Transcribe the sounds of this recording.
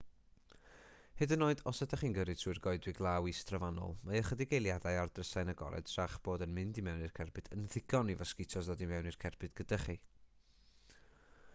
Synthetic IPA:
hɨdənoːɨdɔsadʰaχiːnɡəɾɨ̥tʰruːɨrɡɔɨdwɪɡlˠawistrɔvanɔ̰lˠmaəχədɪɡejlˠjadajardrəsajnaɡɔ̰ɾɛ̰dʃaχb̥oːdənmɪndimɛwnirkʰɛrbɨdənðɪɡ̥ɔnivaskɪtʰɔsðodimɛwnirkʰɛrbɨdɡ̥ədaχi

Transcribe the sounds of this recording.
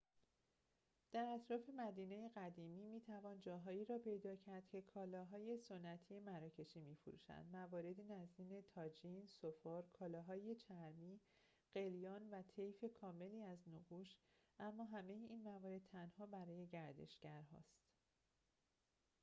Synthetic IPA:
d̪̥æɾæt̪ʰɾɒːfe̞mæd̪iːneje̞ɣæd̪iːmiːmiːt̪ʰævɒːnd͡ʒɒːɦɒːiːɾɒːpʰe̞jd̪ɒːcʰæɾd̪̥cʰe̞kʰɒːlɒːɦɒːje̞so̞nːæt̪ʰije̞mæɾɒːcʰe̞ʃiːmiːfoɾṵʃæ̰nd̪mævɒːɾe̞d̪inæziːne̞t̪ʰɒːd͡ʒiːnsofɒːɾkʰɒːlɒːɦɒːje̞t͡ʃʰæɾmiː | ɢ̥e̞ljɒːnvæt̪ʰe̞jfe̞kʰɒːme̞liːæznoɡuːʃʔæmːɒːɦæme̞jeʔiːnmævɒːɾe̞d̪̥̚t̪ʰænhɒːbæɾɒːje̞ɟæɾd̪e̞̰ʃɟ̥æɾɦɒ̰ːst̪

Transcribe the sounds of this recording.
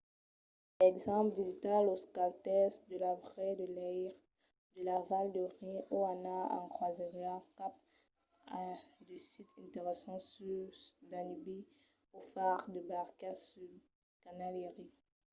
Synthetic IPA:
ɛɡzɑ̃pvizit̪aloskalt̪ɛsd̪əlavʁɛd̪əlɛjʁ | d̪əlavald̪əʁɛ̃ʔoanaã̰kχwazeʁeakap̚ | ad̪əsit̪ɛ̃t̪eʁesɑ̃syd̪anibi | ofaʁd̪əbaʁkasyd | kanaleʁi

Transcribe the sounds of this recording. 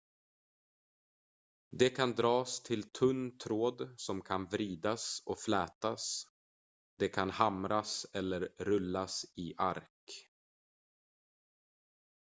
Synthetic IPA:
d̪ɛkʰand̪ɾɑːst̪ʰɪlt̪ʰɵnːt̪ʰɾoːd̪sɔmkʰanvɾiːd̪asɔkflɛːt̪as | d̪̥ɛkʰanhamɾasɛlːəɾːɵlːasɪʔa̰ɾk

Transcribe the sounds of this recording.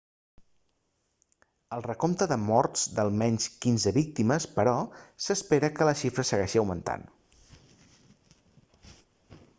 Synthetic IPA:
əlˠrəkomt̪əðəmɔɾz̥d̪əlˠmɛɲskinzəβik̚t̪iməspəɾɔsəspeɾəkələʃifɾəsəɣ̞ɛʃiəwmənt̪a̰n

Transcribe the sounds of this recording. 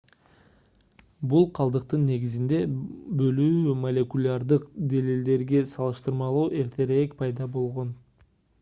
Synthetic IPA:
bulˠqʰɑlˠd̪ɯq̚t̪ɯnːe̞ɡʲizind̪e̞bø̞lyːmolʲekulʲaɾd̪ɯqd̪elild̪e̞ɾɡe̞sɑlˠɯʃt̪ɯɾmɑlˠuːʔe̞ɾt̪ʰe̞ɾekpʰɑjd̪ɑbo̞lˠʁo̞n

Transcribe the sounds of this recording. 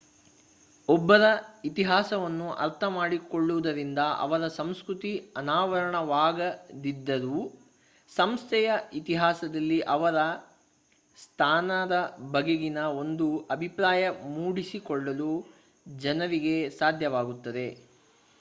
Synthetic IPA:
ɔbːɐɾɐit̪iɦaːsɐʋɐnːuʔɐ̰ɾt̪ʰɐmaːɽikoɭːuʋud̪ɐɾind̪ɐʔɐ̰ʋɐɾɐsɐmskɾut̪iɐnaːʋɐɾɐɳɐʋaːɡɐd̪id̪ːɐɾu | sɐmst̪ʰɛjɐit̪iɦaːsɐd̪ɐlːiʔɐʋɐɾɐ | st̪ʰaːnɐd̪ɐbɐɡeɡinɐo̞nd̪uɐbʱipɾaːjɐmuːɽisikɔɭːɐlu | d͡ʒɐnɐɾiɡe̞saːd̪ʱjɐʋaːɡut̪ːɐd̪e̞

